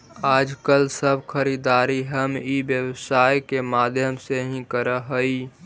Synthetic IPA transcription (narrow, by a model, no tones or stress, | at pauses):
aːd͡ʒkəlsəbʱxʰəɾiːd̪aːɾiɦəmibjəwsaːjkemaːd̪ʱjəmseɦĩkəɾəɦəi